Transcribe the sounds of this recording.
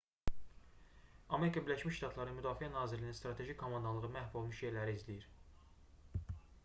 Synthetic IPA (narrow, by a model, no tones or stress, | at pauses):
ɑme̞ɾikʰɑbiɾlæʃmiʃʃt̪ɑt̪ʰlˠɑɾmyd̪ɑːfiænɑːziɾlininst̪ɾɑt̪ʰe̞ʒikʲkʰːo̞mɑnd̪ɑlˠɯʁɯmæhvo̞lˠmuʃje̞ɾlæɾiizlijiɾ